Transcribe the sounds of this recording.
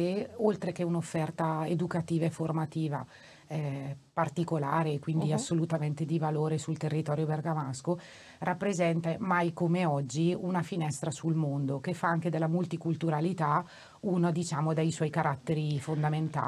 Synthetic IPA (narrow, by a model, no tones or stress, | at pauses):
eolt̪ɾek̟eunofːɛrt̪aed̪ukat̪iːvaefːormat̪iːva̰ | ɛpart̪ikolaːɾekwind̪iasːolut̪ament̪ed̪ivaloːɾesult̪erːit̪ɔːɾjoberɡamasko | rʔapːɾezɛnt̪amajkomeɔd͡ʒːiunafinɛst̪ɾasulmond̪okefːaaŋk̟ed̪elːamult̪ikult̪uɾalit̪a | unad̪it͡ʃaːmod̪ejswɔjkaɾʔat̪ːeɾifond̪ament̪a̰ː